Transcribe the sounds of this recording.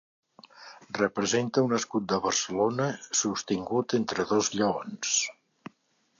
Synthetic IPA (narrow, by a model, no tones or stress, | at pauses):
rəpɾəzent̪əunəskut̪̚d̪əβərsəlonəsust̪iŋɡut̪ent̪ɾəðozʎəons